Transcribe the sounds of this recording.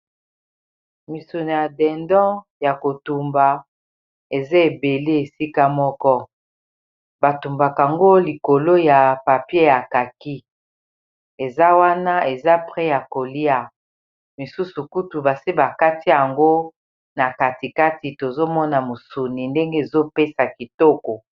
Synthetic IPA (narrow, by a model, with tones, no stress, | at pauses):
mi˨su˨ni˨ja˨dɛ˨ndɔ̃˦ | ja˨ko˨tu˨mba˨ | e˨za˦e˨be˨le˦e˨si˦ka˦mɔ˦kɔ˦ | ba˨tu˨mba˨ka˨ŋɡo˦li˨ko˨lo˦ja˨pa˨pje˦ja˨ka˨ki˦ | e˨za˦wa˦na˦e˨za˦pʁɛ˦ja˨ko˨li˦a˨ | mi˨su˦su˨ku˦tu˨ba˨si˦ba˨ka˦ti˦a˨ŋɡo˦ | na˨ka˨ti˨ka˦ti˨to˨zo˦mɔ˦na˨mo˨su˨ni˨nde˦ŋɡe˦e˨zo˦pe˦sa˨ki˨tɔ˦ko˨